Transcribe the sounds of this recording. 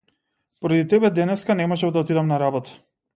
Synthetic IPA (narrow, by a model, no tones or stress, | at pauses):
pɔɾad̪it̪ɛbɛd̪ɛnɛskanɛmɔʒɛmd̪aɔt̪id̪amnaɾabɔt̪ḁ